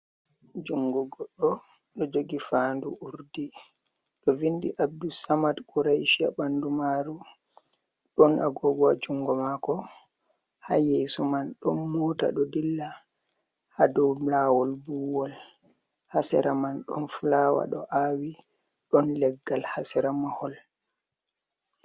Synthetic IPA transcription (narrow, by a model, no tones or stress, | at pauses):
d͡ʒuŋɡɔɡɔɗːɔ | ɗɔd͡ʒoɡifaːndṵʔuɾdi | ɗɔvindḭʔab̚dusamadkuɾajʃia̰bandumaɾu | ɗɔnaɡɔɡɔad͡ʒuŋɡɔmakɔ | hajesumanɗɔnmɔta̰ɗɔdilːa | hadɔmlawɔlbuwɔl | hasɛ̰ɾamanɗɔnflawa̰ɗɔ̰ʔawi | ɗɔnlɛɡːalhasɛɾamahɔl